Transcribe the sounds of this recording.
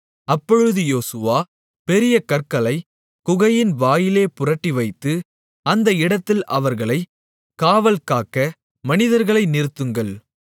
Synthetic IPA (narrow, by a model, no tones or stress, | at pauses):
ɐpːɔɻɯðɯjoːsɯʋaː | pɛɾɪjɐkɐɾkɐlɐɪ | kʊɣɐjɪnʋaːjɪleːpʊrɐʈːiʋɐɪt̪ːɯ | ɐnd̪ɐɪɽɐt̪ːɪlʔɐʋɐɾɣɐɭɐɪ | kaːʋɐlkaːkːɐ | mɐnɪðɐɾɣɐɭɐɪnɪɾɯt̪ːɯŋɡɐɭ